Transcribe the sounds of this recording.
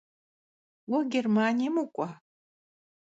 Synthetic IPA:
wɐɡʲermaːnʲijmukʷʼa

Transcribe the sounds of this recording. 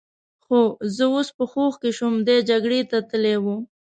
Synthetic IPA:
xozəospəxoxkeʃumd̪ed͡ʒaɡɽet̪at̪əlewu

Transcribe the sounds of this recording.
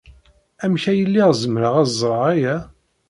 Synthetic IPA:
æmçæjəlːiʁzəmɾəʁæzˤɾˤɑʁæjæ

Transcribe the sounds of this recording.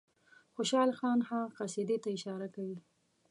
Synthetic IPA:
xoʃɑlxɑnxamqased̪et̪aɪʃɑɾakawi

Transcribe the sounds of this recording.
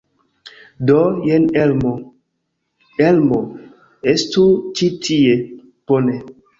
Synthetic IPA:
dɔjenɛlmo | elmo | estut͡ʃitʰie | pone

